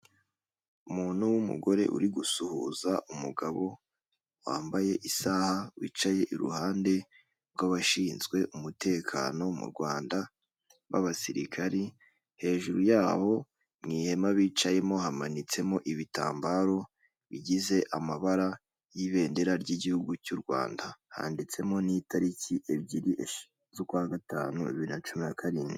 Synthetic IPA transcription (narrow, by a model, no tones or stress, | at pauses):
umuːn̥huwumṵɡo̞ɾe̞̰ʔṵɾiɡusuhuzaʔumṵɡaβo̞ | wa̰ːmbaje̞ʔisahawḭːt͡ʃaje̞ʔiɾṵhaːnde̞ | ɾɡaβaʃiːnzɡwe̞ʔumute̞ːkʰa̰no̞mṵɾɡwaːnda | βa̰βasiɾḭkʰaɾi | he̞ːʒuɾujaːho̞ | mŋiːhe̞maβiːt͡ʃaje̞mo̞ɦamanit͡se̞mo̞ʔiβita̰ːmbaɾo̞ | βiɟize̞ʔamaβaɾa | jiβe̞ːnde̞ɾaɾɟiɟihuɡucuɾɡwa̰ːndaha̰ːndit͡se̞mo̞nitʰaɾiciʔe̞bɟiɾiʔeʃ | zokwaɡata̰ːnueβiiɾinat͡ʃuminakʰaɾini